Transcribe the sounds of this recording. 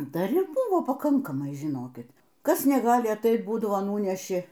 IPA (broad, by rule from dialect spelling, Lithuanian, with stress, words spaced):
dɐr ɪr ˈbʊʋoː pɐˈkɐŋkɐmɐɪ ʒʲɪˈnoːkʲɪt ˈkɐs nʲɛˈɡɑːlʲɪ ɐtɐɪt ˈbuːdɐʋoː ˈnuːnʲɛʃʲɪ